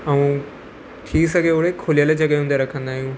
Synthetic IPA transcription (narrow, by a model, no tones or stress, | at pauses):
ɐũ | ʈʰisɐɡʱeʊɽekʰoːlijəled͡ʑɐɡeɦʊ̃nd̪eɾɐkʰə̃nd̪aːɦijũ